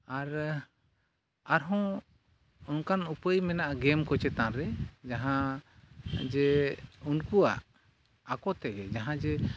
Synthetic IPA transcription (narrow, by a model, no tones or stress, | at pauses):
aɾ | aɾɦɔ̃ | ɔnkanupəjmɛnaʔaɡɛmkɔt͡ʃɛt̪ãɾɛd͡ʒaɦã | d͡ʒɛunkua̰ʔ | akɔt̪ɛɡɛd͡ʒaɦãd͡ʒɛ